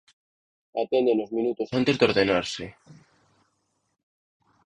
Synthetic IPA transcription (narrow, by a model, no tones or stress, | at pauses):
at̪ẽnd̪enozmĩnut̪osant̪ezd̪oɾðenaɾsɪ